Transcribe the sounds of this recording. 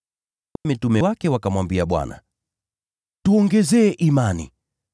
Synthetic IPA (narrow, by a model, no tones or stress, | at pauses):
kamitumɛwakɛwakamwambiaɓwa̰na̰ | tuɔŋɡɛzɛːʔimanḭ